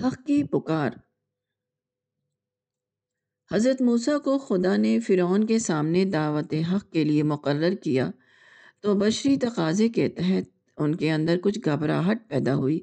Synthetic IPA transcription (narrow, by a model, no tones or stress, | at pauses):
hɐqkipʊkaːɾ | hɐzɾət̪muːsakoxʊd̪anefɪɾɔːnkesaːmned̪aːʋət̪eɦɐqkeliemʊqəɾːəɾkija̰ | t̪obɐʃɾit̪ɐqaːzeket̪ɛɦɛt̪̚ | ʊnkeɐ̃nd̪əɾkʊt͡ʃʰɡʱɐbɾa̰ɦɐʈ̚pɛːd̪aɦuiː